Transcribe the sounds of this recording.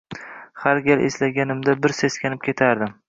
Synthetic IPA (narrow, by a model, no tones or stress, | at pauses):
haɾɡʲalʔeslaɡʲanɪmd̪abɪɾseskʲanɪp̚kʲʰe̞t̪ʰaɾd̪ɪm